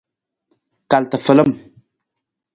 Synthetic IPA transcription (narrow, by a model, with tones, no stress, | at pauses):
ka˨ltə˨fə˨lə˦m